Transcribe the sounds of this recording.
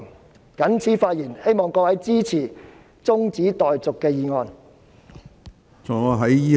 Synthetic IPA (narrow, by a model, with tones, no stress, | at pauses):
kɐ˨˥nt͡sʰiː˨˥faː˧t̚jiː˨˩nhe˥jmɔː˨ŋkɔː˧wɐ˨˥jt͡siː˥t͡sʰiː˨˩ | t͡sʊ˥ŋt͡siː˨˥t̪ɔː˨jt͡sʊ˨kːɛː˧jiː˨˧ŋɔː˧n | t͡sʰɔ˨˩aː˨˧ɦɐ˨˥jiː˥